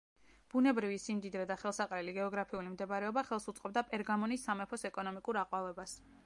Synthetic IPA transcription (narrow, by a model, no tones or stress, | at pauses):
b̥unɛbɾivisimd̪id̪ɾɛd̪aχɛlˠsaqʼɾɛliɡɛɔɡɾapʰiulimd̪ɛbaɾɛɔbaχɛlˠsut̪sʼqʼɔb̚d̪apʼɛɾɡamɔnisːamɛpʰɔsɛkʼɔnɔmikʼuɾaqʼwavɛbas